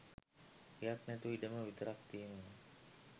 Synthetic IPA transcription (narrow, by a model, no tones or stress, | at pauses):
ejak̪nɛt̪uidəməʋit̪əɾak̚t̪iənənə